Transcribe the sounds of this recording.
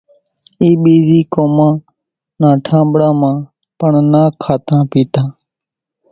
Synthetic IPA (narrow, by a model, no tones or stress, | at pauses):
iːɓiːziːkoːmãː | nãːʈʰãːmbɽãːmãː | pəɳnaːkʰːaːt̪ãːpiːt̪ãː